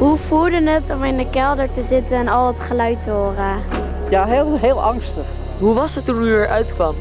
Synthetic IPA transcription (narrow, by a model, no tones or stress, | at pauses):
ɦufuɹdənətɔmɪndəkɛlˠdəɹtəzɪtənɛnɑlˠətχəlœɥtəɦoːrə | jaɦelˠɦeːlˠɑŋstəχ | ɦuʋɑsətunyəɹʔœɥtkʋɑm